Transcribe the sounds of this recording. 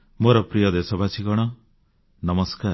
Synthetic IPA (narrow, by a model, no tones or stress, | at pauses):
moɾɔpɾijɔd̪esɔbʱat͡ʃʰikɔɽ̃ɔ | nʌmɔskaɾ